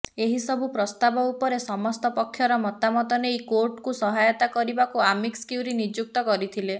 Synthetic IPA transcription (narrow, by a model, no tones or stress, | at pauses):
eɦisɔbʱupɾɔst̪abɔupɔɾesɔmɔst̪ɔpɔkʰːjɔɾɔmɔt̪amɔt̪ɔnejkoɾʈkusɔɦajɔt̪akɔɾibakuamikskjuɾinid͡ʒuk̚t̪ɔkɔɾit̪ʰile